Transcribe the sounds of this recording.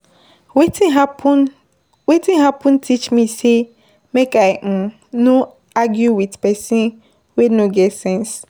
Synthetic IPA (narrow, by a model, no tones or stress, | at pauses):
wetĩ | wetĩnɦapũntʰit͡ʃmise | mekaɪm̩ | no | aɡjuwidpɛsĩn | wenoɡɛtsɛ̃ns